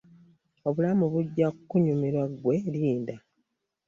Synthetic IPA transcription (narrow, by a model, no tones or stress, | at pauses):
o̞βulamuβuɟːakkːuɲumiɾwaɡwe̞liːnda